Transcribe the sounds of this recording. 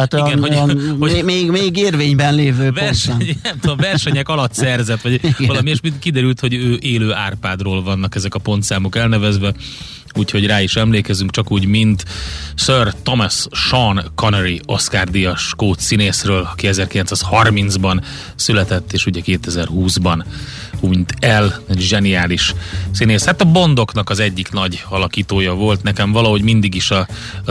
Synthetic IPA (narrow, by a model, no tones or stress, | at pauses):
at̪iɡɛnhoomeːɡmeːɡeːrveːɲbɛnleːvøːvɛrʃɛɲiɛmt̪oovɛrʃɛɲɛkɒlɒt̪sɛrzɛt̪ʋɒɟɒlɒmieːʃmikid̪ɛɾylt̪ho̞ɟøːʔeːløːaːrpaːd̪roːlvɒnːɒkɛzɛkɒpo̞nt̪saːmokɛlnɛvɛzʋɛ | uːcho̞ɟraːiʃɛmleːkɛzyŋkt͡ʃɒkuːɟmint̪sørt̪omɛsʃɒnkonɛɾio̞skaːrd̪ijɒʃkoːt̪sineːsrøːlɒkiɛzɛrkilɛnsaːshɒrminzbɒn | sylɛt̪ɛt̪ːeːʃuɟɛkeːt̪ɛzɛrhuːzbɒn | uɲt̪ʰɛlɛɟʒɛnijaːliʃsineːshat̪ɒbo̞nd̪o̞knɒkɒzɛɟːiknɒɟɒlɒkiːt̪oːjɒvo̞lt̪nɛkɛɱvɒlɒɦo̞ɟmind̪iɡiʃɒ